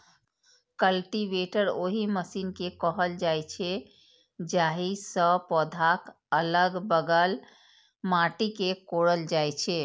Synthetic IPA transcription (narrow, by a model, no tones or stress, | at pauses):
kəlʈibeʈəɾoɦiməsinkekəɦəld͡ʒajt͡ʃʰɛ | d͡ʒaɦisəpɔd̪ʱak | ələɡbəɡəl | maʈikekoɽəld͡ʒajt͡ʃʰɛ